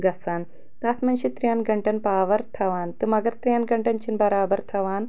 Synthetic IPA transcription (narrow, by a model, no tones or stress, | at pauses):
ɡɐsaːn | t̪aːt̪mɐnʃit̪ɾijanɡɐɳʈɐnpaːʋɐɾt̪ʰɐʋaːnt̪ɨmɐɡɐɾt̪ɾijanɡɐɳʈɐnt͡ʃʰinbɐɾaːbɐɾt̪ʰɐʋaːn